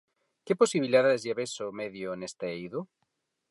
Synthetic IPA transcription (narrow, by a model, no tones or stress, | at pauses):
keposiβiliaðaðezʝeβesomeðjonest̪eejðu